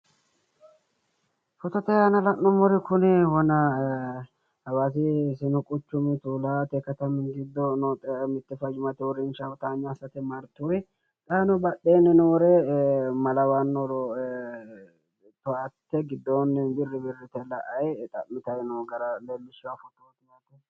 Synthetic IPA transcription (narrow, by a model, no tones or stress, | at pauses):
fɔt̪ɔt̪ɛjanɐlɐnːɔmɔɾɪkʊnɪwɔnɐ | hɐwaːs̬ɪsɪnʊkʼʊt͡ʃːʊmɪt̪uːlat̪ekːɐt̪ɐmɪɡɪd̪ːɔnɔt̪ʼɛmɪt̪ːɪfɐd͡ʒɪmɐt̪uːɾɪnʃɐʊt̪aːɲːaːsɐt̪ɛmɐɾt̪ːuɾɪ | t̪ʼɐːnʊbɐɗːeːnɛnoːɾɛmɐlɐwanːɔɾɔ | t̪ɔɐt̪ːɛɡɪd̪ːoːnːɛbɪrːɪbɪrːɪt̪ɛlɐʔɐjt̪ʼɐ̰ʔmɪt̪ɐjnɔɡɐɾɐlemːɪʃɪwafɔt̪oːt̪ɪmɐt̪ːɛ